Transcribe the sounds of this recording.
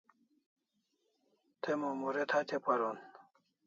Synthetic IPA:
t̪ʰemomuɾet̪ʰat̪ʰepaɾon

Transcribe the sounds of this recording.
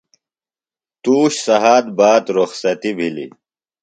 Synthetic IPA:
t̪uːɕsɐɦaːd̪̚baːt̪ɾoxsɐt̪ibʱilḭ

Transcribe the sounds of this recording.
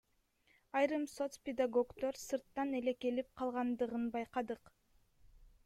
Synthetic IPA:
ɑjɾɯmso̞t̪spʲed̪aɡo̞kt̪o̞ɾsɯɾt̪ːɑne̞le̞ke̞lip̚qʰɑlˠʁɑnd̪ɯʁɯnbɑjqɑd̪ɯq

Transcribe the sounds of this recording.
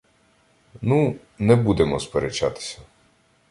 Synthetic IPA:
nu | nɛbud̪emɔspeɾet͡ʃat̪ɪ̥sʲɐ̥

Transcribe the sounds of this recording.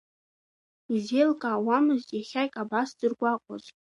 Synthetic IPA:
izelkʼaːwamɨztʼjaχʲajkʼabasd̥ɨrɡʷakʷʼʊ̰zʼ

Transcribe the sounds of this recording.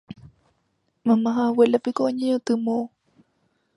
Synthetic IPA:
mãmãɦãwelapikoʔɲẽot̪ɨmõ

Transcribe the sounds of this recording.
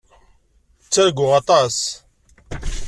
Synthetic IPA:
t͡sːəɾɡʊʁɑt̪ˤɑs

